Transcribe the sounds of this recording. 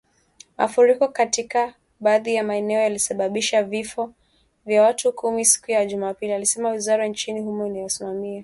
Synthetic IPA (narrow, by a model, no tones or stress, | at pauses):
mʔa̰fuɾikɔkatika | ɓaːðijamaɛnɛɔjalisaɓaɓiʃavifɔ | vjawatʰukʰumisi̥kujaʄumaːpilialisɛmawizaɾant͡ʃinihumɔinajasimamia